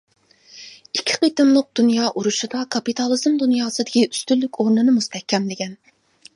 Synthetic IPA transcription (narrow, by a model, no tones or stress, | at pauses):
ikʲʰːi̥qit̪ɨmlˠəq̚d̪̥unjɑːʔuɾuʃud̪ɑkʰɑpit̪ʰɑlˠɨzmd̪unjɑːsɨd̪ɪkʲiyst̪ylːykʲʰoɾnɨnɨmust̪ʰɛhkʲʰːɛmlɪkʲɛn